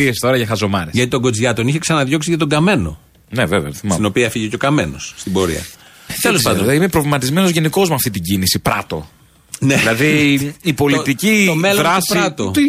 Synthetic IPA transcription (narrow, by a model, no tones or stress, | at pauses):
iest̪o̞ɾɐʝɐxɐzo̞mɐɾesʝɐt̪it̪o̞ɡo̞d͡zʝɐt̪o̞niçe̞ksɐnɐðʝo̞ksiʝɐt̪o̞ɡɐme̞no̞̰ | neveveɐθimɐino̞piɐfiʝeco̞kɐme̞nosːt̪ibo̞ɾḭɐ̰ | t̪elesɐnd̪imepɾovlimɐt̪izme̞nozʝe̞niko̞zmɐft̪it̪iɟinisipɾɐt̪o̞ | neilɐðiipo̞lit̪iciomeloɾɐssɾɐt̪o